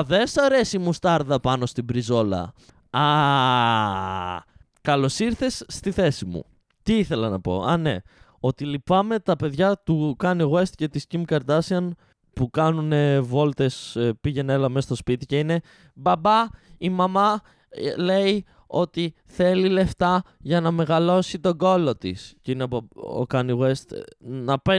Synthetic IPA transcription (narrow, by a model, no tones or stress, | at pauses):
ðe̞sɐɾe̞simust̪ɐɾðɐpɐno̞st̪ibɾizo̞lɐ̰ | ɐ | kɐlo̞siɾθe̞sːt̪iθe̞simṵ | t̪iiθe̞lɐnɐpo̞̰ɐne̞̰ | o̞t̪ilipɐme̞t̪ɐpe̞ðʝɐt̪ukɐniɣwe̞st̪ce̞t̪iscimkɐɾt̪ɐsiɐn | pukɐnune̞vo̞lt̪e̞spiʝe̞nelɐmest̪o̞spit̪ice̞ine̞ | bɐbɐimɐmɐ | le̞i | o̞t̪i | θe̞lile̞ft̪ɐʝɐnɐme̞ɣɐlo̞sit̪o̞ɡo̞lo̞t̪ḭsceineo̰kɐniɣwe̞st̪nɐpe